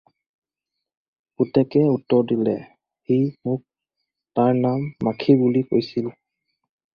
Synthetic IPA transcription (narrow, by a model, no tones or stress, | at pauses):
kutɛkɛutːɔɹdilɛ | himʊk̚ | taɹnamːakʰibuliko̰jsil